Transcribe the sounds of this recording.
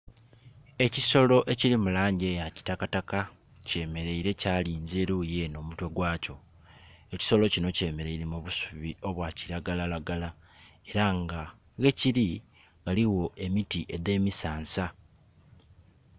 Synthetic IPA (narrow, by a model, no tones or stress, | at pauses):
e̞ciso̞lo̞ʔe̞ciɾimulaːɲɟe̞ːjaci̥takataka | ce̞ːme̞ɾe̞iɾe̞caːliːnzeːɾuːje̞no̞ːmutwe̞ɡwaːco̞ | eci̥so̞lo̞cino̞ce̞ːme̞ɾe̞iɾemuβusu̥βio̞βwaːciɾaɡalalaɡala | e̞ɾaŋɡa | ɣe̞ciɾi | ŋɡaliwo̞ʔe̞mitiʔe̞de̞ːmisaːnsa